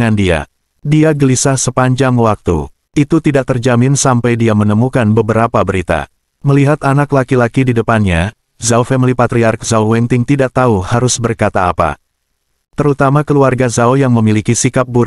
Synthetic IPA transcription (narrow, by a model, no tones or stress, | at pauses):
ŋandia̰ | diaɡəlisahsəpaɲd͡ʒaŋwak̚t̪ṵ | it̪ut̪idaʔt̪ərd͡ʒamɪnsampajdiamənəmukanbəbəɾapabəɾit̪a̰ | məliɦat̪anaklakilakididəpanɲa | zaufɛmlipat̪ɾiark̚zauwɛnt̪ɪŋt̪idaʔ̚t̪auhaɾʊsbərkat̪aːpa̰ | t̪əɾut̪amakəluarɡazaujaŋməmilikisikap̚buɾ